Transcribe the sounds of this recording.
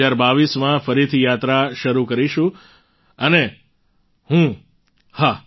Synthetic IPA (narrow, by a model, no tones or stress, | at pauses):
aɾbaʋismãfəɾit̪ʰijat̪ɾaʃəɾukəɾiʃũ | əne | ɦũ | ha